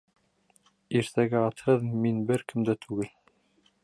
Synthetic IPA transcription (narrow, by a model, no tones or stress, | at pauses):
iɾt̪æɡæɑt̪hɤðminbɘɾkɘmd̪æt̪ʰʉɡɘl